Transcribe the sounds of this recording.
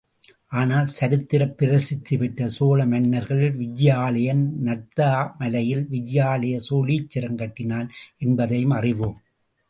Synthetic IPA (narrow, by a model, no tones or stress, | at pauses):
ʔaːnaːlsɐɾɯt̪ːɪɾɐpːɪɾɐsɪt̪ːɯʋɪʈːɐsoːlɐmɐnːɐɾɣɐɭɪlʋɪd͡ʒɪjaːlɐjɐnnɐʈt̪aːmɐlɐjɪlʋɪd͡ʒɪjaːlɐjɐsoːlit͡ʃːɪɾɐŋɡɐʈːɪnaːlʔɛnbɐðɐjɯmɐrɪʋoːm